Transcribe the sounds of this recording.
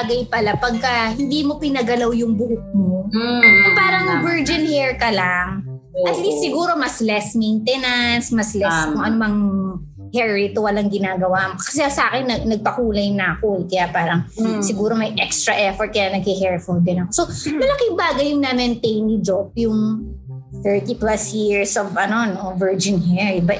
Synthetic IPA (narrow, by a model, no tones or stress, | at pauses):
ɡɐjpɐlapɐɡ̚kɐhɪnd̪iːmo̞pɪnɐɡɐlawjʊŋbʊhʊk̚mokʊŋpaːɾɐŋɐbɛɹd͡ʒɪnhɛɹkɐlaŋ | ʔɐt̪disɪɡuːɾo̞mɐslɛsmejnt̪ɛnɐnsmɐslɛskʊŋʔɐnomɐŋ | hɛɹɪt̪owɐlaŋɡɪnaːɡɐwaʔmkɐ̥sɛsɐʔaːkɛnːɐnɐɡ̚pɐkuːlɐjʊŋnaːkʊlkɐjapaːɾɐŋsɪɡuːɾo̞mɐjʔɛkst̪ɾɐʔɛfɔɹt̪̚kɐjanɐɡ̚hɪɦɛɹfold̪ɪnɐkosomɐlɐkɪŋbaːɡɐjʊŋnamɛnt̪ejnɪd͡ʒop̚jʊŋ | θɛɹt̪iplasjiɹsovɐno̞novɛɹd͡ʒɪnhɛɹɪba